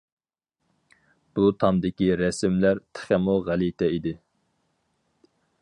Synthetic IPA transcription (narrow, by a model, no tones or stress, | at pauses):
b̥ut̪ʰɑmd̪ɪkʲiɾɛsɪmlæɾt̪ʰɪ̥χæmuʁælit̪ʰɛid̪ɪ